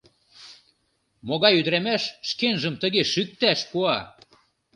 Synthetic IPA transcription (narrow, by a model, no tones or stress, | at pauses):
moɣɑjyd̪ɾæmæʃːkenʒə̆mt̪əɣeʃyk̚t̪æʃpuɑ